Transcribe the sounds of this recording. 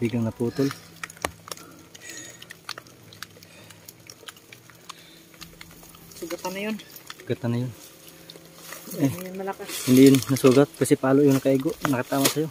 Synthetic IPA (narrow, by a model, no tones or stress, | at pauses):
biɡlɐŋnɐpuːt̪ol | sʊɡɐt̪anɐjonsʊɡɐt̪anɐjon | ɛɐlɐahɪnd̪ɪjʊnnɐsuːɡɐt̪̚kɐsɛpaːloʔjʊŋnɐkɐʔiɡoʔnɐkɐt̪aːmasɐjo̞